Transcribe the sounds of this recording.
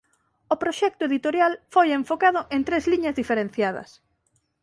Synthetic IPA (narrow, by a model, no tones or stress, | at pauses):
ʊpɾoʃɛk̚t̪ʊeðit̪oɾjalfojeɱfokaðʊʔẽnt̪ɾezliɲɐzðifeɾẽn̟θjað̞ɐ̰s